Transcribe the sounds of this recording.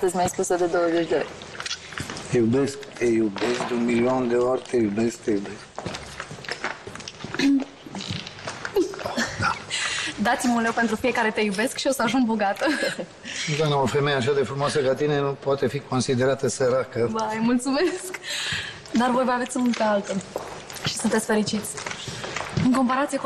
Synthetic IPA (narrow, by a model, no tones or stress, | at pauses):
at̪əzʲmʲajspusəd̪e̞d̪o̞wəzet͡ʃʲd̪eorʲ | t̪ejube̞sk̚t̪ejubesk̚d̪unmiliond̪e̞orʲt̪ejube̞sk̚t̪ejubesk | od̪ad̪at̪simunlewpent̪ɾufijekaɾe̞t̪e̞jube̞skʃio̞səaʒuŋɡboɡat̪ə | d̪anaofemejeaʃ̬ad̪e̞fɾumoasəkat̪inenupwat̪e̞fiko̞nsid̪e̞ɾat̪əseɾakəd̪aɨjmult̪sumesk | d̪arvo̞jvəavet̪ʲunk̪ealt̪ə | ʃi̥sunt̪et̪sʲfe̞ɾit͡ʃit̪sʲ | ɨŋko̞mpaɾat̪sije